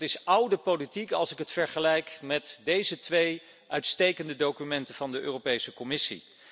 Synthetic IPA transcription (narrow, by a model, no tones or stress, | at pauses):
tɪsʌwdəpolitikɑ̰lˠsɪkətfɛɹχəlɛjkmɛtdejzətʋej | ʔœɥtstejkəndədowkymɛntəvɑndəʔø̰ːropejsəkɔmɪsḭ